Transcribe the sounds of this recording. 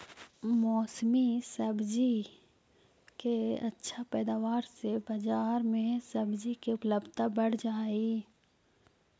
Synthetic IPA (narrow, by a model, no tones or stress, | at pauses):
mɔːsmisəbd͡ʒi | keɐ̰tːʃʰapɛːd̪aːʋaːɾsebɐd͡ʒaːɾmẽsɐbd͡ʒikeʊpləbt̪abəɽ̤d͡ʒaːi